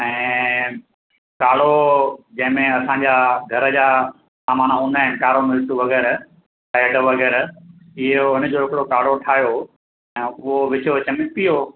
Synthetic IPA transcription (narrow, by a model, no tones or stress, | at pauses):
ɛ̃ː | kaːɽ̤od͡ʑɐ̃ɦɪ̃mẽɐsãːɲd͡ʑaːɡʱɐɾəd͡ʑaː | saːmaːnaɦũːnd̪aːɦɪnɪkaːɾomɪɾɪʈuʋɐɣɛːɾ | aəɖəʋɐɣɛːɾɪɦoɦɪnəd͡ʑoɦɪkɪɽokaːɽ̤oʈʰaːɦijo | ɛ̃ːʊɦoʋɪt͡ɕoʋɪt͡ɕəmɪpijo